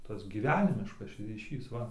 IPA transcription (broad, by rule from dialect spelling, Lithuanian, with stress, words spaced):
ˈtɐs ɡʲiːˈʋʲæːnʲɪmʲɪʃkɐs rʲiːˈʃʲiːs ˈʋɐ